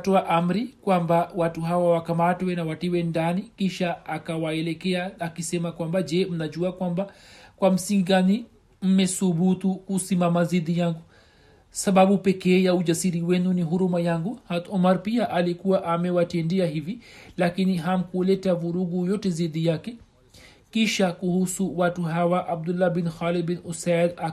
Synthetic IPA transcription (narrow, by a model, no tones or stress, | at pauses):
tɔaʔam̩ɾikwambawatuɦawawakamatwɛnawatiwɛndanikiʃaakawaɛlɛkɛaːkisɛmakwambad͡ʒɛm̩naʄuakwambakwam̩siŋɡiɡani | m̩mɛsuɓutukusimamaziðijaŋɡu | saɓaɓupɛkɛːjaud͡ʒasiɾiwɛnuniɦuɾumajaŋɡuhat̪ɔmaɾpiaʔalikuwaʔamɛwatɛndɛahivilakiniɦam̩kulɛtavuɾuɡujɔtɛziðijakɛ | kiʃakuhusuwatuɦawaʔab̚dulːabinxalid̚binusada